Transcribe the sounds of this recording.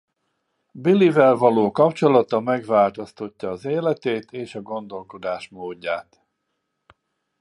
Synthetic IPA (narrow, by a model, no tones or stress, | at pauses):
bilivɛlvɒloːkɒpt͡ʃo̞lɒt̪ɒmɛɡvaːlt̪ost̪o̞cːɒːzeːlɛt̪eːt̪eːʃɒɡo̞nd̪o̞lko̞d̪aːʃmoːɟːaːt̪